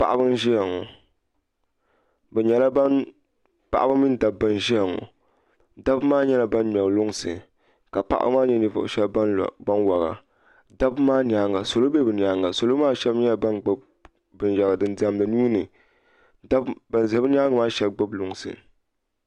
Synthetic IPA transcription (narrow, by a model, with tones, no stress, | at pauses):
pa̰˨ʔa˦bɨ˦n˦ʒi˦ja˨ŋɔ̰˨ | bɛ˨ɲɛ˨la˦ba˦n | pa̰˨ʔa˦bɨ˦mi˦n˦da˨b̚bːɨ˦nʒi˦ja˨ŋɔ̰˨ | da˦bmaː˦ɲɛ˦la˨ba˦nm˨ɛ˨lʊ˦ŋsɨ̰˨ | ka˨pa̰˦ʔa̰˦bɨ̰˦maː˦ɲɛ˦nɨ˦vʊ̰˨ʔʊ̰˨ʃɛ˦l̰ba˦nwa˨ɣa̰˨ | da˦bmaː˦ni˨a˨˦ŋa˨so˨lo˦bɛ˦bɨ˨ni˨a˦ŋa˨so˨lo˦maː˦ʃɛ˦bɲɛ˦la˨ba˦nɡ͡bb | bɨ˨nʒa˨ɡa˨dɨ˦n˦da˨˦m˦lɨ˨nuː˦nɨ˨ | da˦bba˨za˨˦bɨ˦n˦a˦ŋ˨maː˦ʃɛ˦bɡ͡bɨ˦blʊ˨ŋsɨ̰˨